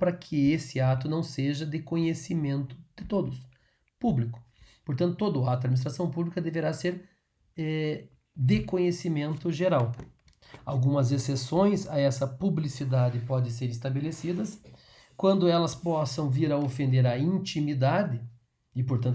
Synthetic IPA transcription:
pɾɐkʰɪesɪat̪ʊnɐ̃w̃seʒɐd̪ekõɲesimẽnt̪ʊ̥d̪̥ɪt̪od̪ʊs | publikʊ̥ | poɾt̪ɐ̃nt̪ʊ̥t̪od̪ʊat̪ʊɐd̪minist̪ɾasɐ̃w̃publikɐd̪eveɾaseɾ | ɛ | d̪ekõɲesimẽnt̪ʊʒeɾaw | awɡũmɐzesesõj̃sɐɛsɐpublisid̪ad̪ɪpɔd̪ẽseɾɪst̪abelesid̪ɐs | kwɐ̃nd̪ʊɛlɐspɔsɐ̃w̃viɾɐofẽnd̪eɾɐĩnt͡ʃimid̪ad̪ɪ | ɪpoɾt̪ɐ̃n

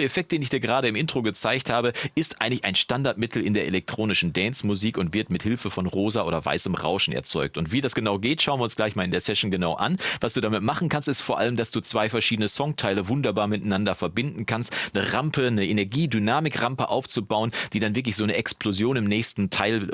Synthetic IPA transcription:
efɛk̚t̚d̥eːnɪçd̥iːɐɡəʁaːɾəɪmʔɪntʁ̥oɡət͡saɪçthaːbəʔɪstʔa̰ɪəŋtlɪçaɪnʃtandaɐt̚mɪtʰl̩ɪndeːɐʔelɛk̚tʁ̥oːnɪʃn̩dɛnsmuziːkʊntv̥ɪɐtmɪthɪlfəfɔnʁoːzaʔoːdɐva̰ɪsəmʁa̰ʊʃn̩ɛ̰ɐt͡sɔ̰ʏk̚tʊntv̥iːdasɡ̥ənaʊɡeːtʃaʊnviːɐʊnsɡ̥laɪçmaːlɪndeːɐsɛʃnɡənaʊʔa̰nvasd̥uːdamɪtmaχn̩kʰanstɪstfoːɐʔa̰ləmdasd̥uːt͡sv̥aɪfɛɐʃiːdənəsɔŋtʰaɪləvʊndɐbaːɐmɪtanandɐfɛɐbɪndn̩kʰanstnəʁampənəʔenɛɐɡiːdynaːmɪkʁampəʔa̰ʊft͡subaʊənd̥iːdanvɪɐk̬lɪçz̥oːnəʔɛksplozjoːnɪmnɛːçstn̩tʰaɪl

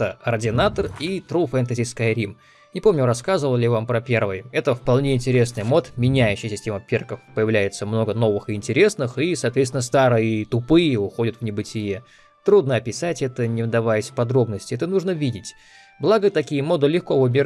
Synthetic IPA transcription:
əɐrdʲɪnat̪ərit̪ɾufɛnt̪əzʲɪskajɾʲim | nʲɪpo̞mnʲʊɾɐskazəvəlˠlʲɪvampɾɐpʲe̞rvɨjɛt̪əfpɐlˠnʲeɪnʲtʲɪɾʲe̞snɨjmo̞t̪mʲɪnʲæjʉɕːɪjsʲɪsʲtʲeməpʲirkəfpəjɪvlʲæjɪt̪səmno̞ɡəno̞vɨxɨɪnʲtʲɪɾʲe̞snɨxisɐːt̪vʲet̪sʲɪnəst̪aɾɨjət̪ʊpɨjəʊxo̞dʲət̪vnʲɪbɨtʲɪje | t̪ɾud̪nəɐpʲɪsatʲɛt̪ənʲɪvd̪ɐvajɪsʲfpɐd̪ɾo̞bnəsʲtʲɪɛt̪ənuʐnəvʲidʲɪtʲ | blˠaɡət̪ɐkʲijəmo̞d̪əlʲɪxkovʊbʲɪ

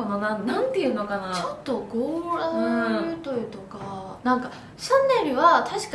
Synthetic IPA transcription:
ononãnãnt̪eiɯ̟no̞kanat͡ɕot̪ːo̞ɡoːɾaɾɯt̪oit̪o̞kanãŋka | ɕãnːe̞ɾɯ̟βat̪ʰaɕi̥k

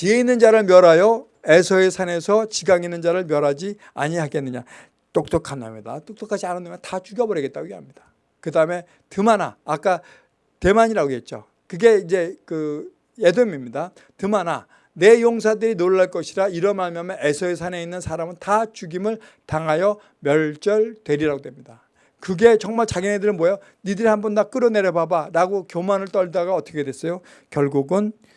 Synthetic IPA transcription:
t͡ɕieinːɯnd͡ʑaɾɯɭmjʌɾajʌ | e̞sʰʌesʰane̞sʰʌt͡ɕiɡaŋinɯnd͡ʑaɾɯɭmjʌɾɦad͡ʑi | a̰ɲiɦaɡe̞nːɯɲa | t͈ok̚t͈ʌkʰanːa̰midat͈ok̚t͈ʌkʰad͡ʑʰianɯndemjʌntat͡ɕuɡjʌbʌɾjʌɡet͈̚aɡoɡeɦamɲid̥ḁ | kɯdaɯme̞ | tɯmana̰ːk͈a | te̞maɲiɾaɡoɦe̞t̚t͡ɕ͈o̰ | kɯɡe̞id͡ʑe̞kɯ | jedomimɲida | tɯmana | ne̞joŋsʰadɯɾinoɭːaɭk͈ʌɕʰiɾaiɾʌnmaɭmjʌmeesʰʌesʰane̞inːɯnsʰaɾamɯntat͡ɕuɡimɯɭ | taŋɦajʌ | mjʌɭt͡ɕ͈ʌɭtwe̞ɾiɾaɡodwe̞mɲida | kɯɡe̞t͡ɕʌŋmaɭt͡ɕaɡʌnedɯɾɯnmojʌ | nidɯɾihanbʌndak͈ɯɾʌne̞ɾjʌbabaɾaɡokjomanɯɭt͈ʌɭdaɡaʌt͈ʌkʰedwe̞s͈ʌjo | kjʌɭɡuɡɯn

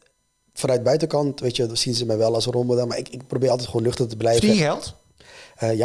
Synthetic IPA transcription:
fanœɥt̚bœɥtəkɑntʋejtədsinzəmɛjʋɛlˠɔsromədənmaɪkɪk̚probɪːɾɑlˠt̬ɛtχʋoːnløχtətəbəlɛvəɛlˠt | əja

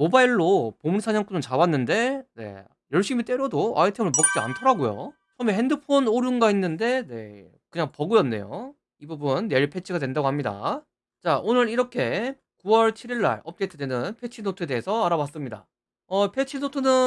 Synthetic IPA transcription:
mobaiɭːopomunisʰaɲʌŋk͈unɯnt͡ɕawanːɯnde̞ne̞̰ | jʌɭɕ͈imit͈e̞ɾjʌdoa̰itʰemɯɭmʌk̚t͡ɕ͈ia̰ntʰʌɾaɡojo̰ | t͡ɕʰʌme̞he̞ndɯpʰonoɾjunɡainːɯnde̞ne̞̰ | kɯɲaŋpʌɡɯjʌnːe̞jo̰ | ibubunːe̞ɭpʰe̞t͡ɕʰiɡadwendaɡohamɲida̰ | t͡ɕaʔonɯɾiɾʌkʰe̞ | kuwʌɭt͡ɕʰiɾiɭːa̰ɭʌp̚t͈etʰɯde̞nɯnpʰe̞t͡ɕʰinotʰɯe̞de̞ɦːsʰʌaɾawas͈ɯmɲida̰ | ʌpʰe̞t͡ɕʰinotʰɯnɯ

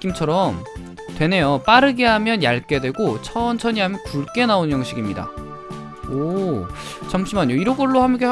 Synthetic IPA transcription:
k͈imt͡ɕʰʌɾʌm | twe̞ne̞jop͈aɾɯɡe̞ɦamjʌnjaɭk͈e̞dwe̞ɡot͡ɕʰʌnt͡ɕʰʌɲiɦamjʌnkuɭk͈e̞naonjʌŋɕ͈ʰiɡimɲida̰ | o | t͡ɕʰʌmɕ͈ʰimanoiɾʌɡʌɭːohamke

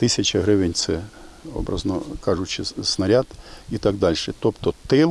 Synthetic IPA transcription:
t̪ɪsʲɐt͡ʃɐɦɾɪʋɪnʲt̪sɛɔ̰bɾɐ̰znɔkɑʐʊt͡ʃɪsnɐɾʲad̪̥it̪ɑɡ̚d̪ɑlʲʃɛt̪ɔpt̪ɔt̪ɪlˠ

